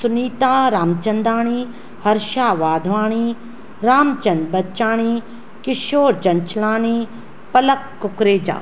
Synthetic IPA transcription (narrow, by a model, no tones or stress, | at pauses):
sʊniːt̪aːɾaːmt͡ʃɐnd̪aːɽ̃iː | hɐɾʃaːʋaːd̪ʱʋaːɳ̃iː | ɾaːmt͡ʃɐnbɐtːʃaːɽ̃iː | kɪʃoːɾd͡ʒɐnt͡ʃlaːɳ̃iː | pɐlɐkːʊkɾeːd͡ʒa̰ː